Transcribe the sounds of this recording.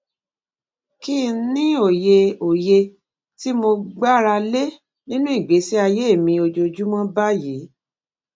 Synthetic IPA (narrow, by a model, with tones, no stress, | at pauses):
ki˦˨˦nĩ˦o˦˨je˧o˨je˧ | ti˦mo˧ɡ͡ba˦˨ɾa˧le˦ | nĩ˦nũ˦i˦˨ɡ͡be˨˦si˦a˧je˦˨mĩ˧o˧d͡ʒo˧d͡ʒu˦mɔ̃˦ba˦je˨˦